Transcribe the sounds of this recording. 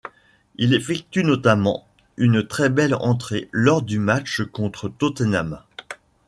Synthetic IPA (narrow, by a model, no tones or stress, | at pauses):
ilefɛk̚t̪ynɔt̪amɑ̰̃ | ynt̪χɛbɛlɑ̰̃t̪χelɔʁd̪ymat͡ʃkɔ̃t̪χət̪ot̪ənama